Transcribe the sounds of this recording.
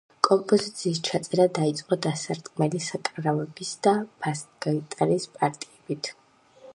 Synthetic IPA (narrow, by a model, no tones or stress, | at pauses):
kʼɔmpʼɔzit̪sʰiːst͡ʃʰat̪sʼɛɾad̪ait̪sʼqʼɔd̪asaɾt̪ʼkʼmɛlisakʼɾavɛbisd̪ab̥asɡait̪ʼaɾispʼaɾt̪ʼiɛbit̪ʰ